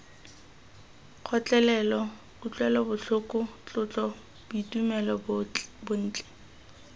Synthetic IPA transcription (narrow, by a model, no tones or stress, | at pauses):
q͡χʰɔt͡ɬʼɛlɛlɔ | bʊt͡ɬʼwɛlɔbʊɬʊkʼʊt͡ɬʊt͡ɬʼɔ | b̥ʊitumɛlɔbʊn̩ːt͡ɬʼɛ̥